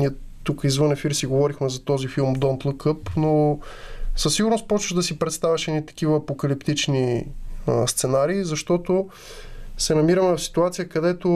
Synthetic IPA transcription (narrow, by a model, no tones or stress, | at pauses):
niɛ | t̪ukəizvɤnɛfiɾsiɡovɔɾixmɛzɐt̪ɔzifilˠmd̪ɔnt̪lˠəkɤpno | səsːiɡʊɾnost̪̚pɔt͡ʃvəʒd̪ɐsipɾɛt̪st̪avʲɐʃɛnit̪ɐ̥k̟ivəːpokɐlipt̪it͡ʃniəst̪sɛnaɾiːzɐʃt̪ɔt̪o | sɛnɐmiɾəmɛfsi̥t̪uat̪sijəkɐd̪ɛt̪o